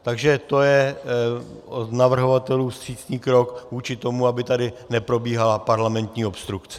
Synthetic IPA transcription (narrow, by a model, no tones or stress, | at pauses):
t̪aɡʒɛt̪o̞jɛ | onavr̩ɦo̞vat̪ɛluːst̪r̥iːt̪ɲiːkɾo̞kvuːt͡ʃɪt̪o̞muabɪt̪adɪnɛpɾo̞biːɦalapaɾlamɛnt̪ɲiːo̞pst̪ɾukt͡sɛ